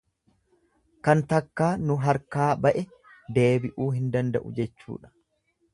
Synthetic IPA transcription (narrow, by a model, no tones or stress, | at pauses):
kɐnt̪ɐkːaːnʊɦɐɾkaːbɐʔɛ | d̪e̞ːbɪʔuːɦɪnd̪ɐnd̪ɐ̰ʔʊ̰d͡ʒɛt͡ʃːṵːᶑɐ̥